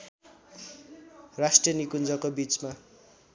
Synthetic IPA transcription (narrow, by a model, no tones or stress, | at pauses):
rasʈriʌnikund͡zʌkobit͡sma